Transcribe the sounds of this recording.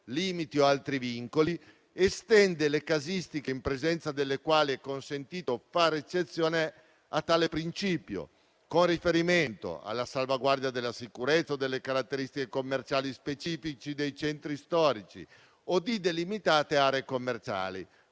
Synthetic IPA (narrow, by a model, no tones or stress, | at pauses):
liːmit̪ioalt̪ɾiviŋkoli | est̪ɛnd̪elekazist̪ikeimpɾezɛnt̪sad̪elːekwaːliɛkːonsent̪iːt̪ofaɾet͡ʃːet̪sːjɔːne | at̪ːaːlepɾint͡ʃiːpjo̰ | konrifeɾiment̪o̰a̰lːasalvaɡward̪jad̪elːasikuɾet̪sːaod̪elːekaɾat̪ːeɾist̪ikekomːert͡ʃaːlispet͡ʃiːfit͡ʃid̪ejt͡ʃɛnt̪ɾist̪ɔːɾit͡ʃḭ | od̪id̪elimit̪aːt̪eaːɾeekomːert͡ʃa̰ːlḭ